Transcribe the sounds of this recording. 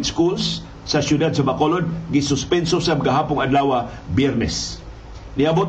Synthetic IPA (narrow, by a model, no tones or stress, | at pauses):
t̪skulsː | asjʊd̪ad̪̚samakolod̪̚ɡɪsʊspɛnsosamɡaɦapʊŋadlawa | bjɛɾnɛs | niabot̪